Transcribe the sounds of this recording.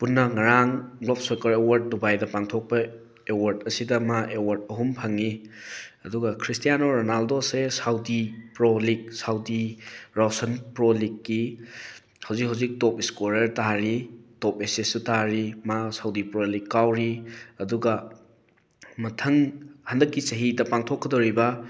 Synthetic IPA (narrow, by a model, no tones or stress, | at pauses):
punːɐŋɐɾaŋɡlop̚sokɐɾewɐɾt̚dubajdɐpaŋtʰok̚pɐ | ewɐɾtɐsidɐmaʔewɐɾt̚ɐɦumpʰaŋi | ɐduɡɐkʰɾistijanoɾonaldosesawdipɾolik̚sawdiɾasɐnpɾolikːi | hɐwzik̚ɦawzik̚tɔpiskoɾɐɾtaɾitɔp̚esesutaɾimasawdipɾolikːawɾiɐduɡɐ | mɐtʰɐŋhandɐkːisɐɦidɐpaŋtʰokʰːɐdoɾibɐ